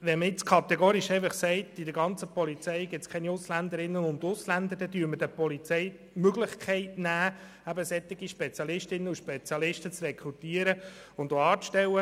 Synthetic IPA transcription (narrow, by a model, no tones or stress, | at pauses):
ʋɛməɪt͡skʰɑt̪ɛɡoːɾiʃɛɪfɑχsɛɪt̪ːidəɾɡɑnt͡səpɔlit͡sɛɪɡɪt̪skʰɛniʊslænd̪əɾɪnːənʊnd̪ʊslænd̪əɾdɛd̥yːəmədəpɔlit͡sɛɪ | møɡlɪχkʰɛɪtnæː | æbəsɛt̪ːɪɡ̥iʃpɛt͡sjɑlɪʃtɪnːəuʃpɛt͡sjɑlɪʃtət͡srɛkʰɾut̪iːəɾəʊnd̪oɑːt͡sʃtɛwːə